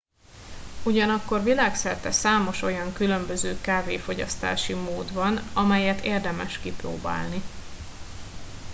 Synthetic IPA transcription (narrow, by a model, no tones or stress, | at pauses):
uɟɒnɒkːo̞rvilaːksɛrt̪ɛsaːmo̞ʃo̞jɒŋkylø̞mbø̞zøːkaːveːfo̞ɟɒ̰st̪a̰ːʃimoːd̪bɒnɒmɛjɛt̪eːrd̪ɛmɛʃkipro̰ːba̰ːlni